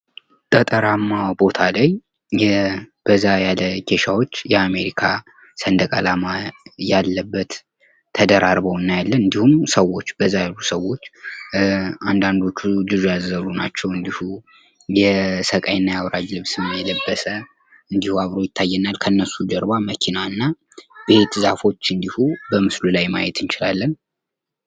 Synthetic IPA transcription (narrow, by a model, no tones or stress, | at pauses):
t̪ʼət̪ʼəɾamːabo̞t̪ʰalaj | ɛb̥əzːajaləkʰe̞ʃawo̞t͡ʃːjɛame̞ɾikʰa | sənd̪əkʼalamajalːəbːət̪ʰː | əd̪əɾaɾbəwɨnːajalːənɨnd̪ihumsəwːo̞t͡ʃːbəzːajalːusəwo̞t͡ʃː | and̪and̪o̞t͡ʃːud͡ʒɨzojazːəluna̰t͡ʃːɛwɨnd̪ihu | jɛsəkʼajnːajawɾad͡ʒlɨβsɨməjɛləbːəsə | ɨnd̪ihuaβɾo̞jɪt̪ʰːajːɛnalkʰəɨnːəsud͡ʒəɾβaməkʰinaɨnːa | be̞t̪zafo̞t͡ʃːɨnd̪ihubəmɨslulajma̰jɛt̪ʰɨnt͡ʃɪlalːən